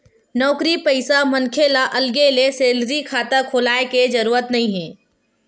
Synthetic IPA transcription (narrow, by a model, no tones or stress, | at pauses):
nɔːkɾipɐɪsamɐnkʰelaʔɐlɡeleseːlɾikʰaːt̪akʰoːlaːeked͡ʒɐɾuːɾət̪nɐɦĩɦɛ̃ː